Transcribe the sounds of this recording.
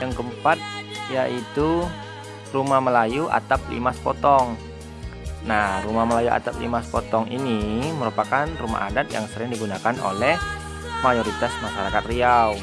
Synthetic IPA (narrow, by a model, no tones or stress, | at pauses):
jaŋkəmpat̪̚jaʔit̪u | rumahməlajuʔa̰t̪ap̚lḭmaspot̪ɔŋ | narumahməlajuʔa̰t̪ap̚lḭmaspɔt̪ɔŋiniməɾupakanruma̰ʔa̰dat̪̚ja̰ŋsəɾɪŋdiɡunakano̰lɛh | majoɾit̪asmaʃaɾakat̪riaw